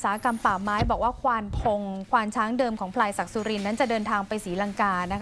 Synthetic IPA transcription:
saː˩˦a˦˥ka˧mpaː˨˩maː˦˥jbɔː˨˩k̚waː˥˩kʰwaː˧npʰo˧ŋkʰwaː˧nt͡ɕʰaː˦˥ŋdɤː˧mkʰɔː˩˦ŋpʰlaː˧jsa˨˩k̚su˧ɾi˧nːa˦˥nt͡ɕa˨˩dɤː˧nt̪ʰaː˧ŋpa˧jsiː˩˦la˧ŋkaː˧na˦˥kʰ

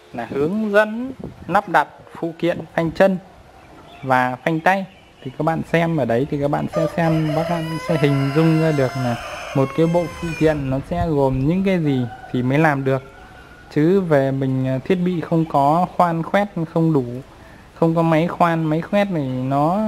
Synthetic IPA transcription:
laː˨˩hɨ˨˦əŋzə̰˧˥nːa˦˥p̚ɗa˨˩t̚fṵ˧˨kḭ˧˨ənfa˧jŋ̟t͡ɕə˧n | vaː˨˩fa˧jŋ̟t̪a˧j | t̪ʰi˨˩kaː˦˥k̚ɓa̰ː˧˨nsɛ˧mʔəː˧˩ɗə˨˦jt̪ʰi˨˩ka˦˥k̚ɓa̰ː˧˨nsɛ̰˧˥sɛ˧mɓaː˦˥k̚la̰ː˧˨sɛ̰˧˥ɦï˨˩ŋ̟zʊ˧ŋ͡mzaː˧ɗɨ˨˩ək̚naː˨˩mo˨˩t̚kaː˨˦jɓo̰˧˨fṵ˧˨k̪ḭ˧˨ənːɔ˨˦sɛ̰˧˥ɣo˨˩mɲɨ̰˧˥ŋkaː˨˦jzi˨˩t̪ʰi˨˩məː˨˦jlaː˨˩mɗɨ˨˩ək̚ | t͡ɕɨ˨˦ve˨˩mï˨˩ŋ̟˨˩t̪ʰi˦˥ət̚ɓḭ˧˨xə˧wŋ͡mkɔ˨˦xwaː˧nxwɛ˦˥t̚xə˧wŋ͡mɗu˧˩ | xə˧wŋ͡mk̬ɔ˨˦ma˨˦jxwaː˧nma˨˦jxwɛ˦˥t̚nʰi˨˩nɔ˨˦

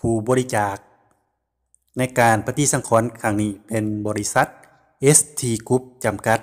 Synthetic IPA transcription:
pʰuː˧˩bɔː˧ɾi˦˧˥t͡ɕaː˨˩k̚ | na˧˥˩jkaː˨npʰa˧t̪i˧˥˩sa˧˦ŋkʰɔː˨˦nkʰa˧˩ŋniː˧˩pe˨˩nbɔː˨˧ɾi˦˧˥sa˧˦˥t̪̚ | ʔe˦˥st̪ʰiː˧˩ku˧˦˥p̚t͡ɕa˨mka˧t̪̚

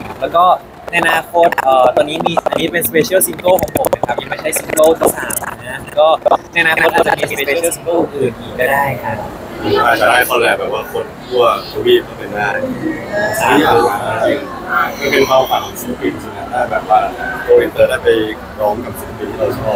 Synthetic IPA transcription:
lɛː˦˥wkɔː˥˩ | na˧jʔa˧naː˧˥kʰo˦˥t̪̚ʔəː˨˩t̪ɔː˧nːiː˦˥miː˧ʔa˧niː˦˥˩pe˧nspeː˧t͡ɕʰi˦˥˩si˧ŋko˥˩wkʰɔː˩˦ŋpʰo˨˦mna˦˥˩kʰa˦˥ja˧ŋma˥˩t͡ɕʰa˥˩jsi˧ŋko˥˩t̪ʰa˥˩saː˨˩˦ma˨˩na˦˥˧kɔː˥˩na˧ʔa˧naː˧˥˧t̪̚ːt͡ɕːa˧˥t͡ɕa˧˩miː˧˥si˧eː˧eː˧˦˥si˧ŋkoː˥˩ʔʰɯː˧˩niː˨˩kɔː˥˩daː˥˩jkʰa˥˩˧ | aː˥˩ka˧˩daː˥˩jkʰɔː˧˩lɛː˧˩bɛː˨˩p̚waː˥˩kʰo˧nkʰu˥˩ɐt̪ʰu˧wiː˥˩kʰɔ˥˩pa˧˩daː˥˩j | aː˨iː˧˩˧a˨˧˩waː˨˩a˧i˧˩ | kaː˥˩pe˧nka˧˩wha˨˩˧si˧˥npi˨˩nsu˨˧˩a˧˩daː˥˩bɛː˨˩p̚waː˥˩koː˧ɾi˧˩t̪ɤː˧˩daː˥˩jpa˧j | ɾɔː˦˥mka˨˧˩p̚si˨˦˩pi˨˧˩nkaː˥˩t͡ɕʰɔ˦˥˩

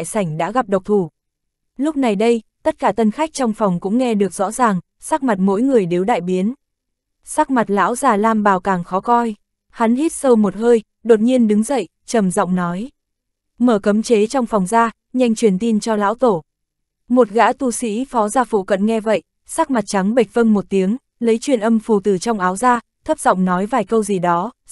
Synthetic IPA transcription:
jsa˧˩jŋ̟ɗa̰ː˧˥ɣa˨˩p̚ɗə˨˩wk͡p̚t̪ʰu˧˩ | lʊ˦˥k͡p̚na˨˩jɗə˧jt̪ə˦˥t̚kaː˧˩t̪ə˧nxa˦˥jk̚t͡ɕɔ˧wŋ͡mfɔ˨˩wŋ͡mkʊ̰˧˥ŋ͡mŋɛ˧ɗɨ˨˩ək̚zɔ̰˧˥zaː˨˩ŋ | saː˦˥k̚ma˨˩t̚mo̰˧˥jŋɨ˨˩əjɗe˨˦wɗa̰ː˧˨jɓi˨˦ən | saː˦˥k̚ma˨˩t̚la̰ː˧˥wzaː˨˩laː˧mɓaː˨˩wkaː˨˩ŋxɔ˨˦kɔ˧j | ha˨˦nhi˦˥t̚sə˧wmo˨˩t̚həː˧j | ɗo˨˩t̚ɲi˧ənɗɨ˨˦ŋzə̰˧˨j | t͡ɕə˨˧˩mzɔ̰˧˨wŋ͡mnɔ˨˦j | məː˧˩kə˨˦mt͡ɕe˨˦t͡ɕɔ˧wŋ͡mfɔ˨˩wŋ͡mzaː˧ | ɲa˧jŋ̟t͡ɕwi˨˩ənt̪i˧ənt͡ɕɔ˧la̰ː˧˥wt̪o˧˩ | mo˨˩t̚ɣa̰ː˧˥t̪u˧sḭ˧˥fɔ˨˦zaː˧fṵ˧˨kə̰˧˨nŋɛ˧və̰˧˨jʔ | saː˦˥k̚ma˨˩t̚t͡ɕa˨˦ŋɓə˨˩jk̚və˧ŋmo˨˩t̚t̪i˨˦əŋ | lə˨˦jt͡ɕwi˨˩ənʔə˧mfu˨˩t̪ɨ˧˩t͡ɕɔ˧wŋ͡mʔaː˨˦wzaː˧ | t̪ʰə˦˥p̚zɔ̰˧˨wŋ͡mnɔ˨˦jvaː˨˩jkə˧wzi˨˩ɗɔ˨˦

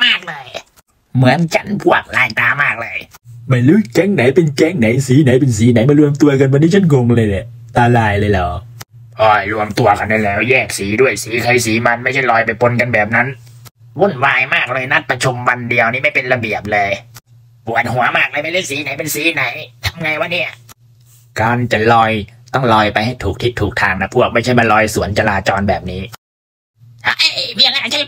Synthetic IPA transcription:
maː˥˩k̚laː˧j | mɯ˨˦ənt͡ɕʰa˦˥˩npʰu˧˩ək̚laː˧˩jt̪aː˧maː˥˩k̚lɤː˧j | maː˧˩luː˦˥˩kɛ˦˥˩ŋna˩˦jpe˧nkɛ˧˥˩ŋna˨˦jsiː˨˦na˨˩˦jp̬e˧nsiː˨˦na˨˩˦jma˧ɾu˧əmt̪u˧ɐka˧nwa˧nːiː˦˥˩t͡ɕʰa˥˩nɡo˧ŋlɤː˧jlɛ˨˩ | t̪aː˧laː˧˩jlɤː˧jlɔː˨˦˩ | ʔɔː˧˩jlu˧əmt̪u˧ɐka˧nːe˧˩nlɛː˦˥˩wjɛː˥˩k̚siː˩˦du˥˩əjsiː˨˩˦kʰɤː˧jsiː˨˦ma˧nma˥˩jt͡ɕʰa˧˥˩jlɔː˨˧˩jpa˧jpo˧nka˧nbɛː˨˩p̚na˦˥n | wu˥˩nwaː˧jmaː˥˩k̚lɤː˧jna˦˥t̪̚pɾa˧t͡ɕʰu˧mwa˧ndi˧ɐwniː˥˩ma˥˩jpe˧nla˧bi˨˩əp̚lɤː˧j | pu˨˩ən̚hu˩˦ɐmaː˥˩k̚lɤː˧jma˧˩le˧˥˩siː˨˦na˨˦jpe˧nsiː˨˦na˨˦jt̪ʰa˧mŋa˧jwaː˧˩ni˦˥˩ɐ | kaː˧nt͡ɕa˨˩lɔː˧jt̪ɔ˥˩ŋlɔː˧jpa˧jha˥˩jt̪ʰuː˨˩k̚t̪ʰi˦˥t̪ʰːuː˨˩k̚t̪ʰaː˧ŋna˦˥pʰu˥˩ək̚ma˥˩jt͡ɕʰa˥˩jba˧nlɔː˧jsu˩˦ənt͡ɕa˧laː˧t͡ɕɔː˧nbɛ̰ː˨˩p̚niː˦˥ | ʔa˧ʔwi˥˩˧ŋ̚a˧˥a˨˩t͡ɕa˧˩

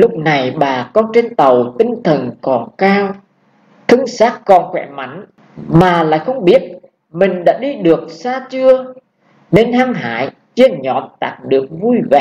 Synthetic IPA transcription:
lʊ˦˥k͡p̚na˨˩jɓaː˨˩kɔ˧nt͡ɕe˧nt̪ə˨˩wt̪ï˧ŋ̟t̪ʰə˨˩nkɔ˨˩nkaː˧w | t̪ʰɨ˧ŋsaː˦˥t̚kɔ˨˩nkwɛ̰˧˩ma̰˧˥˦jŋ̟ | maː˨˩la̰ː˧˨jxə˧wŋ͡mɓi˦˥ət̚ | mï˨˩ŋ̟ɗa̰ː˧˥ɗi˧ɗɨ˨˩ək̚saː˧t͡ɕɨ˧ə | ne˧nɦaː˧ŋɦa̰ː˧˨˦j | t͡ɕi˧ənɲɔ˨˦nt̪aː˨˩˥k̚ɗɨ˨˩ək̚vu˧jvɛ̰˧˨ʔ

